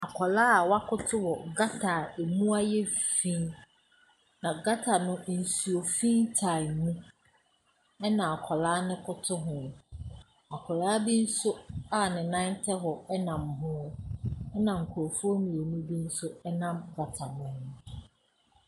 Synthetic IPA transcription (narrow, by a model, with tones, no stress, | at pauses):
a˨kʰɔ˨laː˦a˨wa˦kʰʊ˦tʰʊ˦wɔ˨ɡa˦tʰa˨e˨mũ˦a˦jɛ˦fĩ˦n | nã˨ɡa˦tʰa˨nʊ̃˦ʔn̩˨su˨o˨fĩ˦n˦tʰa˨nũ˦ | ɛ˦nã˨a˨kʰɔ˨laː˦nɪ̃˦kʰʊ˦tʰʊ˦ɦʊ̃˦˨m | a˨kʰɔ˨laː˦bi˦n̩˦sʊ˦a˦˨nɪ̃˨nã˦n˦tʰɛ˦ɦɔ˨ɛ˦nã˨mɦʊ̃˦ɛ˦nã˨ŋ̩˨kʰʊ˨ɾo˨fu˦o˦mĩ˨o˨nũ˦bi˦n̩˦sʊ˦ɛ˦nã˦mɡa˨tʰa˨nʊ̃˦hʊ̃˦